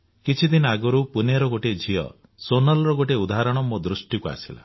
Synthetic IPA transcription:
kit͡ʃʰid̪inɔaɡɔɾupuneɾɔɡoʈed͡ʒʱiɔ̰ | sonɔlɔɾɔɡoʈ̬eud̪aɦaɾɔɽ̃ɔmod̪ɾusʈikua̰sila̰

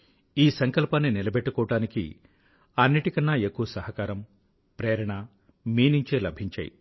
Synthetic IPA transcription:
iːsɐŋkɐlpaːnːinilɐbeʈːukɔːɐɽaːnikḭ | ɐnːiʈikɐnːɐekːuʋɐsɐɦɐkaːɾɐm | pɾɛːɾɐɳɐ | miːnuɲt͡ʃeːlɐbʱiɲt͡ʃa̰ːjḭ

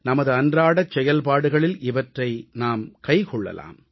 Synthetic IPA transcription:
nɐmɐðɯɐndraːɽɐt͡ʃːɛjɐlpaːɽɯɣɐɭɪlɪʋɐʈrɐɪnaːmkɐɪkɔɭːɐ̰la̰ːm

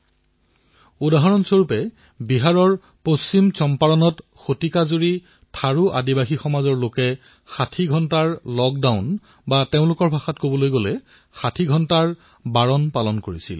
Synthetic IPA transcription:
udaɦɔɹɔnsoɹupɛ | biɦaɹɔɹ | posːimt͡ʃɔmpaɹɔnɔtxotikazoɹi | tʰaɹuʔa̰dibaxixɔmazɔɹlokɛ | xatʰiɡʱɔntaɹlɔk̚daʊn | bateʊ̃lʊkɔɹbʱaxatkobɔlojɡolɛ | xatʰiɡʱɔntaɹ | baɹɔnpalɔnkoɹisḭl

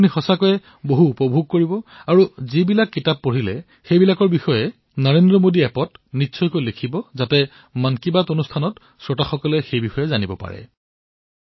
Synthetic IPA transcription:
apʰunixɔsakɔjɛ | boɦuːpɔbʱuɡ̚koɹibɔaɹuzibilakːitap̚ːoɹilɛ | xejbilakɔɹbixɔjɛ | nɔɹendɹɔmodiɛpɔtnitːsʰɔjkojlekʰibɔzatɛ | mankibatonustʰanɔt | sɹɔtaxɔkɔlɛxejbixɔjɛzanibɔpa̰ɹɛ̰

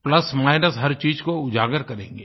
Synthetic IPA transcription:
plɐsmaːɪnəsɦɐɾt͡ʃiːd͡ʒkoʊd͡ʒaːɡəɾkɐɾḛ̃ːŋɡeː

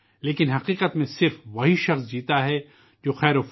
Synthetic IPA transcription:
leːkɪnɦɐqiːqət̪mẽsɪɾfʋɐɦiʃɐxsd͡ʒiːt̪aɦɛ | d͡ʒoːxɛːɾoːf

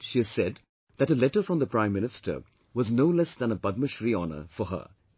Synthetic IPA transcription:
ʃiɨz̥sɛd | ðæʈəlɛʈəɾfɹɔ̃mðəpɹãɪ̃mːɪnɪstʰə̰˞ | wɔznoʊlɛsd̪æ̃nəbʌd̪̚məʃɾiɔnə̰˞fɔɦə̰

